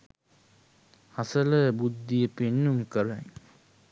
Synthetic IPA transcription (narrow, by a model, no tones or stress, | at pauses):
hasələbud̪ːijəpenːumkəɾaŋ